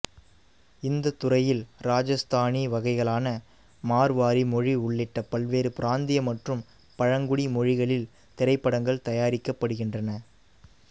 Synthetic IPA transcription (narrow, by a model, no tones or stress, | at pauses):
ɪnd̪ɐt̪ːʊrɐjɪlɾaːd͡ʒɐst̪ʰaːniʋɐɣɐɪɣɐɭaːnɐ | maːɾʋaːɾimɔɻiʊɭːɪʈːɐpɐlʋeːɾɯpɪɾaːnd̪ɪjɐmɐʈrɯm | pɐɻɐŋɡʊɽimɔɻɪɣɐɭɪl | t̪ɛɾɐɪpːɐɽɐŋɡɐɭt̪ɐjaːɾɪkːɐpːɐɽɯɣɪndrɐnɐ